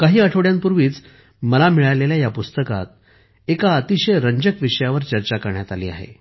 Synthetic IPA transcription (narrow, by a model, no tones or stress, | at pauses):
kaɦiːəʈʰoɽjampuɾʋiːt͡s | məlamiɭaleljajapust̪əka̰t̪̚ | ekaət̪iɕəjɾəɲd͡ʑəkʋiʂəjaʋəɾt͡ɕəɾt͡ɕakəɾɳjat̪aliːa̰ɦḛ